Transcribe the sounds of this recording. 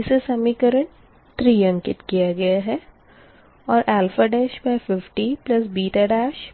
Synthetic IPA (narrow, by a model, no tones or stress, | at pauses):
ɪsesɐmikəɾə̃ɳʈ | t̪ɾiːjə̃ŋkɪt̪kijaɡɐjaɦɛ | ɔːɾʔɛːlfəɖɛːʃpafɪfʈiplɐs̬biːʈaɖaːʃ